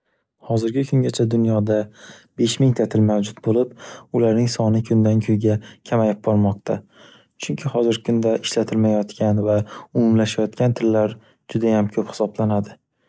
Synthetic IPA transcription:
hɒzɪɾɡʲɪkʰʊŋɡʲat͡ʃʰad̪ʊnjɒd̪abe̞ʃmɪŋt̪ʰat̪ʰɪlmawd͡ʒʊt̪bolɪpʊlaɾnɪŋsɒnɪkʰʊnd̪ankʲʰɵjɡʲakʲʰamajɪp̚bɒɾmɒqt̪ʰa | t͡ʃʰʊŋkʲʰɪhɒzɪɾkʰʊnd̪aʔɪʃlat̪ʰɪlmajɒt̪kʲʰanvaʊmʊmlaʃajɒt̪kʲant̪ʰɪɾlaɾ | d͡ʒʊd̪ajamkʲʰɵphɪ̥sɒblanad̪ɪ

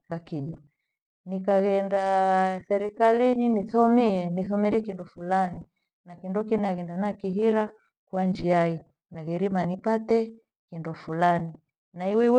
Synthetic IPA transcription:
kakiʄa | nikaɣɛndasɛɾikalininiθɔmiɛniθɔmiɾiɛkindɔfulani | nakindɔkinaɣɛndanakiɦiɾa | kwand͡ʒiai | naɣɛɾimanipatɛ | kindɔfulani | naiwɛw

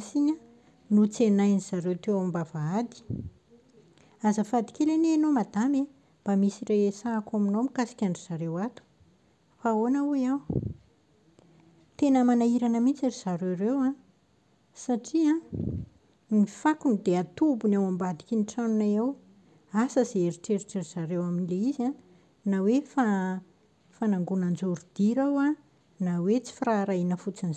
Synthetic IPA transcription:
siɲa | nut͡senajniz̥aɾewt̪ewambavaad̪i̥ | azəfad̪i̥kʲeleneanomad̪ame | b̥amisireesaːkaminomikasi̥kʲaɳɖ͡ʐiz̥aɾewat̪u̥ | faonaujaw | t̪enəmanaiɾanəmint͡saɾiz̥aɾewɾewã | saʈ͡ʂiã | nifakunid̪eat̪ubunawambad̪ikʲiniʈ͡ʂanunaew | asəzeeɾiʈ͡ʂeɾiʈ͡ʂeɾiz̥aɾewaminileiziã | nawefa | fanaŋɡunand͡zoɾud̪̥iɾawa | nawet͡si̥firaɾainəfut͡siniz

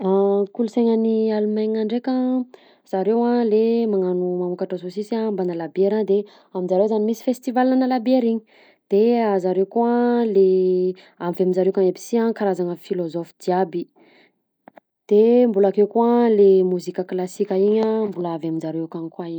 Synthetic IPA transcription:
akulusajɲanialumajɲaɳɖ͡ʐekʲa | z̥aɾewalemaŋanumaukaʈ͡ʂasosisiambanalabeɾand̪e | aminzaɾewzanimisi̥fest̪ivalinanalabeɾiɲi̥ | d̪̥eazaɾewkuale | amvaminzaɾewkaŋebi̥siankaɾazanəfilozɔfd̪iabi | d̪̥embulakewkualemuzikʲəklasikʲəiɲambulaavaminzaɾekankwaiɲ

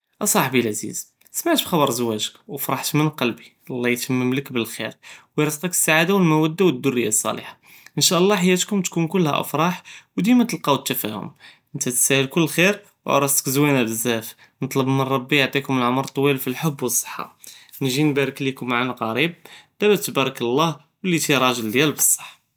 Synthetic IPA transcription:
ʔɑsˤɑħbilʕzḭz | smaʕt̪bxɑbɑɾˤzwæʒəkwfɾˤɑħt̪mənqɑlbiʔlˤːɑjt̪æmːəmləkbəlxḭɾwəjɾˤɑsq̪ˤɑkə̥sːaʕad̪awəlmæwæd̪ːawəd̪ːʊrːəjːasˤːɑ̰lḭħḁ | ʔənʃæʔəlˤːɑħajːæt̪kʊmt̪kunkʊlːhæ̰ʔə̰fɾˤɑħwd̪imæt̪əlqɑwət̪ːæfæhʊ̰mʔʔənt̪æt̪sæhəlkʊlːxiɾ | wʕ̰ɾˤɑst̪ə̥kzwænæbəzːæf | nət̪ˤləbmənˤɑbːijʕt̪ˤikʊməlʕʊmɾˤt̪ˤːwilfilħʊbːwəsˤːə̥ħːɑ̰ | nʒinbæɾəklikʊmːaʕanaɣɑɾib̚d̪̥æbæt̪bæɾˤɑkəlˤːɑh | wəlːit̪iɾˤɑʒəld̪jælbəsˤːə̥ħː

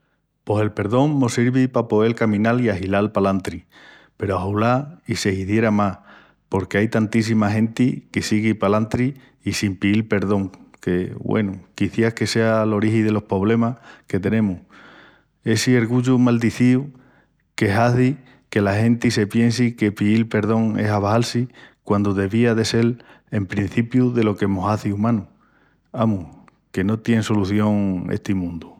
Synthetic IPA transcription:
po̞se̞lpe̞ɾðo̞ŋmo̞siɾβipapo̞e̞lkamĩnaliaɦilalpalant̪ɾi | pe̞ɾoaɦulaise̞hiθje̞ɾamah | po̞ɾke̞ajt̪ant̪is̬imaɦẽ̞nt̪ikesiɣipalant̪ɾiː | simpiðilpe̞ɾðo̞ŋke̞βwʔḛnukiθjahke̞se̞alo̞ɾiɦiðe̞lo̞hpɾo̞β̞le̞mahke̞t̪e̞nẽ̞mu | e̞sieɾɣuʎumald̪iθiu | ke̞ɦaθi | ke̞lahẽ̞nt̪ise̞pje̞nsike̞piilpe̞ɾð̞o̞ŋe̞̰saβahalsikwand̪uðe̞βiaðe̞se̞l | e̞mpɾin̟θipjuðe̞lo̞kemoɦaθiumãnu | amu | ke̞no̞t̪je̞ŋso̞luθjo̞ŋḛht̪imũnd̪u

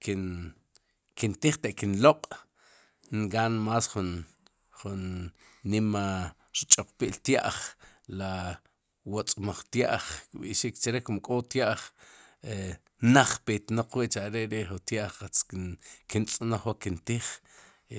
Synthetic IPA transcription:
kin | kint̪iːχt̪eʔkinloqʼ | ŋɡaːnmaːsχun | χunː | ima | ɾit͡ʃʼoq͡χpiʔlt̪ja̰ʔχla | wot͡sʼmaχt̪ja̰ʔχkɓḭʔʃikt͡ʃaɾekumkʼot̪jaʔχe | naχpet̪noq͡χwiʔt͡ʃaʔɾeɾeʔχut̪jaʔχqat͡skikint͡sʼnaχwaʔkint̪iːχ

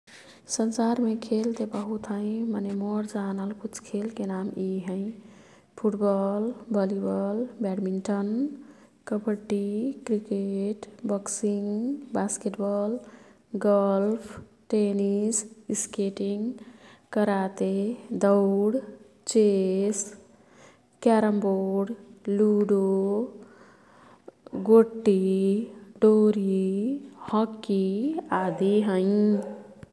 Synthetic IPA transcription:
sənsaɾmekʰelt̪ebəɦut̪ɦə̃ɪ̃mənemoɾd͡ʒanəlkut͡ʃʰkʰelkenamiɦə̃ɪ̃ | pʰuʈbɔlbɔlibɔlbɛɽminʈən | kəbəʈːikɾikeʈbɔksiŋbaskeʈbɔl | ɡəlpʰ | ʈenisskeʈiŋkəɾat̪ed̪ɔɽ | t͡ʃes | kaɾəmboɽluɖo | ɡoʈːi | ɖoɾi | hɔkːiad̪iɦə̃j

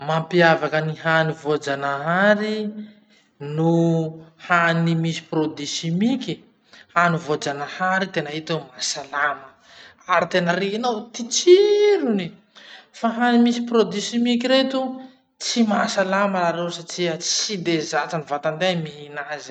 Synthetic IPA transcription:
mampiavakəniɦanivod͡zanaɦaɾi | nu | hanimisi̥pɾod̪isimiki | hanivod͡zanəhaɾit̪enəɦit̪omasalamə | aɾit̪enəɾinowt̪it͡siɾuni | faɦanimisi̥pɾod̪isimikiɾet̪u | t͡simasalaməlaɾewsaʈ͡ʂiət͡sid̪ezat͡sanivat̪and̪emiɦinaz̥

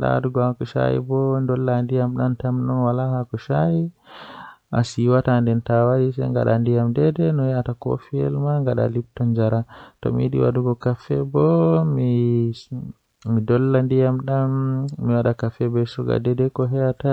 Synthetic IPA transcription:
ɗa̰wa̰duɡɔhakuʃa̰jḭbɔndɔlːandijamɗantamnɔnwalahakuʃaji | ʔasiwatandɛntawadisɛ̰ŋɡa̰ɗa̰ndijamdɛdɛnɔjɛatako̰fiɛ̰lmaŋɡaɗa̰lib̚tɔɲd͡ʒaɾatɔ̰mḭɗḭwa̰duɡɔkafɛbɔmi | midɔlːandijamɗanmiwaɗakafɛbɛsuɡa̰dɛdɛkɔɦɛata

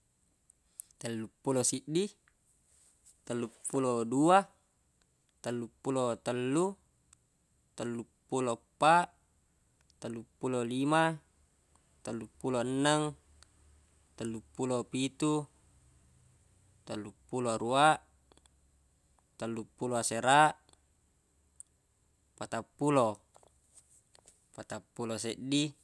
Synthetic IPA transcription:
t̪əlːupːulosiʔdi | t̪əlːupːulodua | t̪əlːupːulot̪əlːu | t̪əlːupːulopːaʔ | t̪əlːupːulolima | t̪əlːupːuloənːaŋ | t̪əlːupːulopit̪u | t̪əlːupːuloaɾuaʔ | t̪əlːupːuloaseɾa | pat̪apːulo | pat̪apːuloseʔdi

